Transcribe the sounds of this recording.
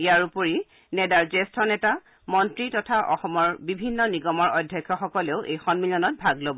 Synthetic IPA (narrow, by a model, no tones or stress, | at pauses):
ijaɹupoɹi | nɛdaɹzestʰɔnɛta | mɔntɹitɔtʰaʔɔxɔmɔɹbibʱinːɔniɡɔmɔɹɔdʱjɔkʰːjɔxɔkɔleʊʔejxɔnmilɔnɔt̚bʱaɡlobɔ